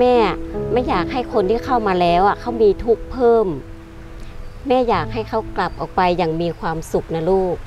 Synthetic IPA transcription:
mɛː˥˩a˨˩mɛ˧˥˩njaː˨˩k̚ɦa˥˩jkʰo˧nt̪ʰiː˥˩kʰa˥˩wmaː˧lɛː˦˥wʔa˨˩kʰa˥˩wmiː˧t̪ʰu˦˥˩k̚pʰɤː˥˩m | mɛː˥˩jaː˨˩k̚ha˥˩jkʰa˧˥˩wkla˨˩p̚ʔɔː˨˩k̚pa˧jːa˨˩ŋmiː˧kʰwaː˧msu˨˩k̚na˧luː˥˩k̚

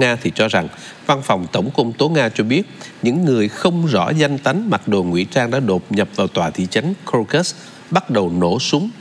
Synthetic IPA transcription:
ŋaː˧t̪ʰi˨˩t͡ɕɔ˧za˨˩ŋ | va˧nfa˨˩wŋ͡mt̪ə˧˩wŋ͡mkə˧wŋ͡mt̪o˨˦ŋaː˧t͡ɕɔ˧ɓi˦˥ət̚ɲɨ̰˧˥ŋːɨ˨˩əjxə˧wŋ͡mzɔ̰˧˥za˧jŋ̟t̪a˨˦jŋ̟ma˨˩t̚ɗo˨˩ŋwḭ˧˥t͡ɕaː˧ŋɗa̰ː˧˥ɗo˨˩p̚ɲə˨˩p̚vaː˨˩wt̪waː˨˩t̪ʰḭ˧˨t͡ɕa˨˦jŋ̟ko˧kə˦˥s | ɓa˦˥t̚ɗə˨˩wno̰˧˩sʊ˨˦ŋ͡m

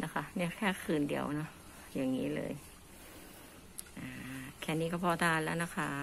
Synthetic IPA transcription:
na˦˥kʰa˦˥ni˧˩ə˨kʰɛː˧˩kʰɯː˨˩ndḭ˨˩əwʔnɔ˦˥ʔ | ja˨˩ŋːḭː˦˥lɤ̰ː˧j | ʔaː˨˩kʰɛː˧˩niː˦˧kɔː˥˩pʰɔː˧˩t̪aː˧lɛː˦˥˩wna˦˥kʰa˦˧˥

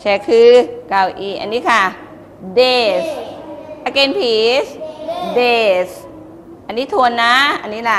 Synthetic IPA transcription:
t͡ɕʰɛː˧˩kʰɯː˧ka˧˩wʔiː˧˩ʔa̰˧nːiː˦˥kʰa˥˩ | deː˧˩sʔa˧ke˧npʰiː˨˩˦sdeː˧˩s | ʔa˧nːiː˦˥t̪ʰu˧ənːa˦˥ʔa˧nːiː˦˥la˧˩

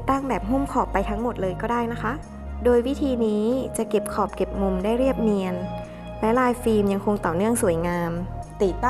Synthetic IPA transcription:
t̪aː˥˩ŋbɛː˨˩p̚ɦu˥˩˨mkʰɔː˨˩pːa˧jt̪ʰa˦˥ŋmo˨˩t̪̚lɤː˧jkɔː˥˩daː˥˩jna˦˥kʰa˦˥ʔ | doː˧jwi˦˥t̪ʰiː˧niː˦˥t͡ɕa˨˩ke˨˩p̚kʰɔː˨˩p̚ke˨˩p̚mu˧mdaː˥˩jɾi˥˩əp̚ni˧ən | lɛ˦˥laː˧jfiː˧mja˧ŋkʰo˧ŋt̪ɔː˨˩nɯ˥˩əŋsu˨˩ə˦jŋaː˧mt̪iː˨˩t̪a˥

